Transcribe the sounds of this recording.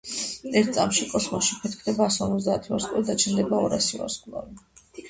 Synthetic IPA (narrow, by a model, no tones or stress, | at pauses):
ɛɾt̪̚ʰt̪sʼamʃikʼɔsmɔsʃipʰɛt̪kʰd̪ɛbaːsɔɾmɔzd̪aːt̪ʰiaɾskʼla̰d̪at͡ʃʰɛnd̪ɛbaɔɾasia̰ɾskʼlˠa̰vi